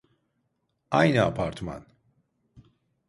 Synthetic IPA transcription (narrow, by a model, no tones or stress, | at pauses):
ajnɨa̰pʰaɾt̪ʰma̰n